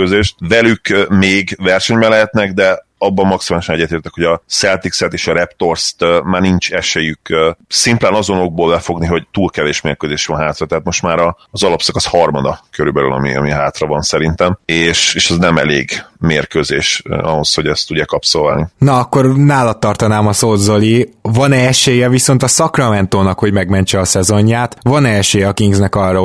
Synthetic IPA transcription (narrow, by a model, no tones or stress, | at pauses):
øzeːʃt̪̚vɛlykmeːɡvɛrʃɛɲbɛnlɛɦɛt̪nɛɡd̪ɛ | ɒbːɒmmɒksimaːliʃɒnɛɟːɛt̪eːrt̪ɛkhoɟɒsɛlt̪iksɛt̪eːʃɒɾɛpt̪o̞rst̪maːrnint͡ʃɛʃeːjyksimplɛːnɒzo̞no̞ɡ̚boːlbɛfo̞ɡniɦo̞ɟt̪uːlkɛveːʃmeːrkøːzeːʃʋɒnɦaːt̪rɒt̪ɛɦaːt̪mo̞ʃt̪maːɾɒːzɒlɒpsɒkɒshɒrmɒd̪ɒkøɾybɛly̰lʔɒ̰mḭɒ̰miɦaːt̪rɒvɒnsɛɾint̪ɛmeːʃeːʃɛznɛmɛ̰lḛːɡmeːrkøːzeːʃɒɦo̞sho̞ɟɛst̪ːuɟːaːkɒpsolva̰ːlninɒɒkːo̞rnaːlɒt̪ːɒrt̪ɒnaːmɒsoːzolivɒnɛɛʃeːjɛviso̞nt̪ɒsɒkrɒmɛnt̪oːnɒkho̞ɟmɛɡmɛɲt͡ʃɛɒsɛzo̞ɲːaːt̪vɒnɛɛʃeːjɛɒkiiɡznɛkɒrːɒ